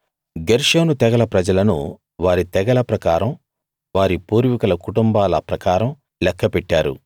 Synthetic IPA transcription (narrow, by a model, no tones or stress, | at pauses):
ɡeɾʂoːnut̪ɛɡɐlɐpɾɐd͡ʒɐlɐnṵ | ʋaːɾit̪ɛɡɐlɐpɾɐkaːɾɐm | ʋaːɾipuːɾʋikɐlɐkuʈumbaːlɐpɾɐkaːɾɐm | lɛkʰːɐpɛʈːaːɾṵ